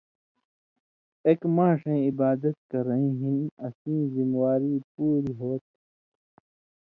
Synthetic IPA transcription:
eːkmãːʂẽːibaːd̪ɐt̪̚kɐɾɐĩɦinɐsĩːzimwaːɾiːpuːɾiɦoːt̪̚

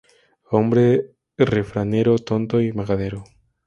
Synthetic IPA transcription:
ombɾe | refɾaneɾot̪ont̪oimaɣaðeɾo

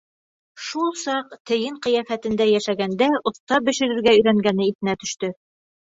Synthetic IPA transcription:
ʃulˠsɑqt̪ɘ̆jɘɴqɤ̆jæfæt̪ɘ̆nd̪æjæʃæɡænd̪æʔŏθt̪ɑbɘ̆ʃɘ̆ɾɘ̆ɾɡæɵ̆jɾæŋɡænɘiθɘ̆næt̪ɵ̆ʃt̪ɵ

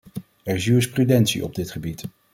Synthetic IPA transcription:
ɛɹɪzyəsprydɛntsḭʔɔ̰b̚dɪtχəbit

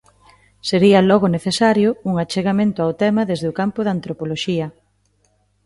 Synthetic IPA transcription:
seɾiɐlɔɣʊneθesaɾjʊuŋat͡ʃeɣamẽnt̪ʊawt̪ɛmɐðezðeʊkampʊðant̪ɾopoloʃiɐ

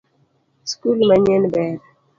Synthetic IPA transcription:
skulmaɲɛnbɛɾ

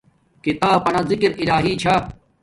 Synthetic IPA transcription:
kit̪aːpɐnazɪkɾilaːɦiːt͡ɕʰa

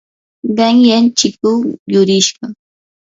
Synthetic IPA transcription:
ɢɑŋjant͡ʃɪkʊjʊɾɪʃɢɑ

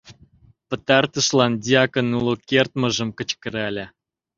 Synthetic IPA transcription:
pə̆t̪ɑrt̪ə̆ʃlɑnd̪ʲiɑkə̆nulokert̪̚mə̆ʒə̆mkə̆t͡ɕkə̆ɾɑlʲe

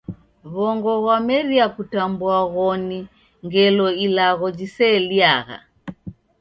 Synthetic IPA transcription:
βɔŋɡɔɣwamɛɾiakutambuaɣɔni | ŋɡɛlɔilaɣɔd͡ʒisɛːliaɣa̰

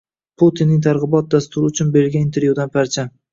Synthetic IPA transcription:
pʰʊt̪ʰinːɪŋt̪ʰaɾʁɨbɒt̪̚d̪ast̪ʰʊɾɪʊt͡ʃʰʊnbeɾɪlɡʲaɪnt̪ʰeɾvjud̪anpʰaɾt͡ʃʰam

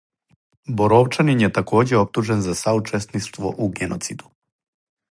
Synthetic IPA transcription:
boɾoʋt͡ʃaninjet̪ako̞ːd͡ʑeo̞p̚t̪uʒenzasaut͡ʃesniʃt̪ʋo̞̰ʔuɡenʔo̞t̪sid̪u̥

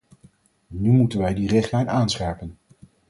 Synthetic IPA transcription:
nymutənʋɛjdirɪχtlɛjnaːnsχɛɹpən

